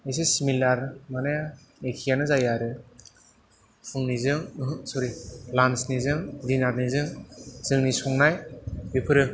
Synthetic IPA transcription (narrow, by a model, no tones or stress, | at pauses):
es̬esimilaɾmane | ekʰijanɯzajaɾɯ | pʰuŋnizɯŋsuɾilansnizɯŋdinatnizɯŋzɯŋnisɔŋnajbipʰɯɾɯ